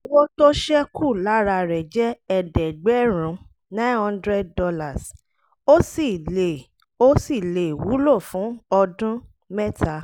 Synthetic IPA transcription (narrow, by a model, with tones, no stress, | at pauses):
wo˦to˦ʃɛ˦kʰu˦˨la˦ɾa˧ɾɛ˨d͡ʒɛ˦ɛ˧dɛ˨ɡ͡bɛ˦ɾ̃ũ˨˦ | nã˦hɔ̃˦ndɾɛ˦d̚ːɔ˧la˨s | o˦si˦˨le˨ | o˦si˦˨le˨wu˨˦lo˦˨fũ˨˦ɔ˧dũ˦ | mɛ˦tʰa˨˦